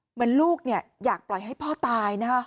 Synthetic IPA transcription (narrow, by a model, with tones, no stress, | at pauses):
mɯ˨˦ənluː˥˩k̚ni˥˩ɐjaː˨˩k̚plɔ˨˩jɦa˥˩jpʰɔː˥˩t̪aː˧jna˦˥kʰa˦˥